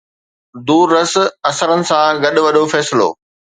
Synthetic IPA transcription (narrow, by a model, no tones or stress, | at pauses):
d̪uːɾːɐsɐsəɾənɪ̆sãɡɐɗʊ̆ʋɐɗofɛːsɪlo̰ː